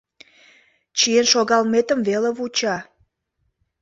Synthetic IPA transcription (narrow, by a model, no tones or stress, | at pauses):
t͡ɕienʃoɣɑlmet̪əmveleβut͡ɕɑ